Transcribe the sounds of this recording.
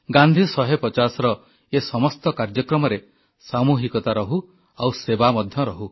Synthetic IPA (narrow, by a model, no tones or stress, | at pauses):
ɡãnd̪ʱisɔɦepɔt͡ʃasɔɾɔ | esɔmɔst̪ɔkaɾd͡ʒɔkɾɔmɔɾe | samuɦikɔt̪aɾɔɦu | awsebamɔd̪ʱjɔɾɔɦu